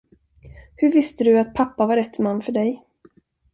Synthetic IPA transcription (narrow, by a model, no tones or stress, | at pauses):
hɵɾvɪst̪əd̪ɵat̪̚pʰapːavaɾɛt̪ːmanːfœɖɛj